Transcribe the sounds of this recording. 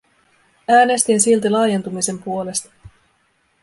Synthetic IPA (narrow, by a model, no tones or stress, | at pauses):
æːne̞st̪insilt̪ilɑːjent̪umise̞mpuo̞le̞st̪ɑ̥